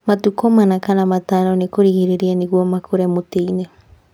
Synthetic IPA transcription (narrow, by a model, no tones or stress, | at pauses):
mat̪ukomanakanamat̪aɾonikuɾihiɾiɾianiɡwomakʰuɾemut̪ine